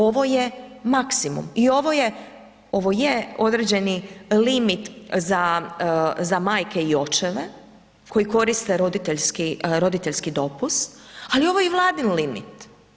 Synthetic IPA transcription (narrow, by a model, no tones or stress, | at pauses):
o̞ʋo̞jemaksimṵmio̞ʋo̞je | o̞ʋojeo̞d̪ɾed͡ʑe̞nilimit̪za | zamaːjke̞io̞t͡ʃeʋe | ko̞jiko̞ɾist̪eɾo̞d̪it̪eʎskiɾo̞d̪it̪e̞ʎʲskid̪o̞pusalio̞ʋojeʋlˠaːd̪inlimḭt̪